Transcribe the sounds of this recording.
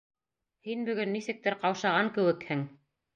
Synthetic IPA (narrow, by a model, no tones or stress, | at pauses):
hinbɵ̆ɡɵnːisɘ̆k̚t̪ɘɾqɑwʃɑʁɑŋkɘ̆wɘ̆khɘŋ